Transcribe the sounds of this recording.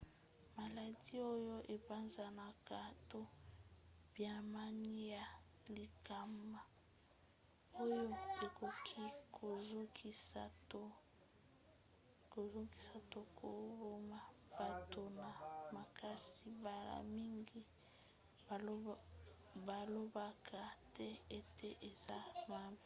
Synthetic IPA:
ma˨la˨di˦o˦jo˦ʔe˨ba˦nza˨na˨ka˨to˦ | b̥ja˨ma˦ni˦ja˨ | li˨ka˨ma˨ | o˦jo˦e˨kʰo˨kʰi˦kʰo˨zo˦kʰi˨sa˨to˦ | ko˨zo˦ki˨sa˨to˦kʰo˨˦bo˦ma˨ | b̥a˨to˨na˨ma˨ka˦si˦ba˨la̰˨mi˦ŋɡi˦ | ba˨lo˦ba˨kʰa˨tɛ˦e˨tʰe˦ʔe˨za˦ma˦bi˨

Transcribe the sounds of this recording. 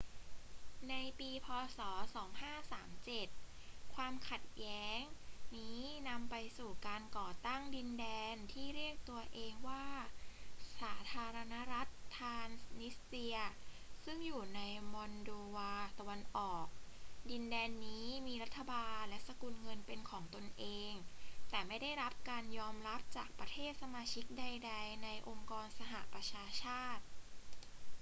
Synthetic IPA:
na˧jpiː˧pʰɔː˧sɔː˩˦sɔː˩˦ŋhaː˥˩saː˩˦mt͡ɕe˨˩t̪̚ | kʰwaː˧mkʰa˨˩t̪̚jɛː˦˥ŋniː˦˥na˧mpa˧jsuː˨˩kaː˧nkɔː˨˩t̪a˥˩ŋdi˧ndɛː˧nt̪ʰiː˥˩ɾi˥˩ək̚t̪u˧ɐʔeː˧ŋwaː˥˩ | saː˩˦t̪ʰaː˧ɾa˧na˦˥ɾa˦˥t̪ʰːaː˧nniː˦˥i˧ɐ | sɯ˥˩ŋjuː˨˩na˧jmɔ˧ndoː˧waː˧t̪a˧wa˧nʔɔː˨˩k̚di˧ndɛː˧nːiː˦˥miː˧ɾa˦˥t̪ʰːa˧baː˧nlɛ˦˥ʔsa˧kuː˧nŋɤ˧npe˧nkʰɔː˩˦ŋt̪o˧nʔeː˧ŋt̪ɛː˨˩ma˥˩jda˥˩jɾa˦˥p̚kaː˧njɔː˧mɾa˦˥p̚t͡ɕaː˨˩k̚pɾa˧t̪ʰeː˥˩t̪̚sa˧maː˧t͡ɕʰi˦˥k̚da˧jda˧jna˧jʔo˧ŋkɔː˧nsa˧ɦa̰˨˩ʔpɾa˧t͡ɕʰaː˧t͡ɕʰaː˥˩t̪̚

